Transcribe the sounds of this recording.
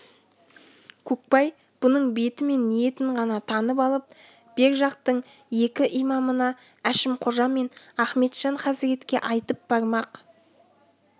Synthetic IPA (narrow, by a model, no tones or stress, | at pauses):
kʲʰɵk̚pɑj | b̥ʊnəɴbe̞t̪ɪme̞nːije̞t̪ɪɴʁɑnɑt̪ʰɑnəp̬ɑlˠəp̚ | b̥e̞ɾʒɑq̚t̪əɴ | je̞kʲɪʔijmɑmənɑ | æʃɪmqʰʊʒɑmːe̞n | æχme̞t̪ʒ̥ɑɴχɑzɾe̞t̪kʲe̞̰ʔɑjt̪əp̚bɑɾmɑq